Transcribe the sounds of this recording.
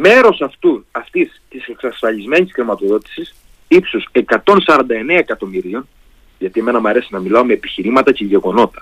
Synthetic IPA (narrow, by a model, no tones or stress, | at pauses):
me̞ɾo̞sɐft̪uɐft̪ist̪ise̞ksɐsfɐʎizme̞nisxɾimɐt̪o̞ðo̞t̪i̥sis | ipsuse̞kɐt̪o̞nsɐɾɐnd̪ɐe̞neɐekɐt̪o̞miɾio̞n | ʝɐt̪ie̞me̞nɐmɐɾe̞sinɐmilɐo̞me̞ːpiçiɾimɐt̪ɐceʝe̞ɣo̞no̞t̪ɐ̥